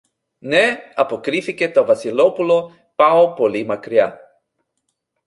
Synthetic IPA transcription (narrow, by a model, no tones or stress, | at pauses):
nɛɐpokɾifikʲet̪ovɐsilopulo | paopolimakɾia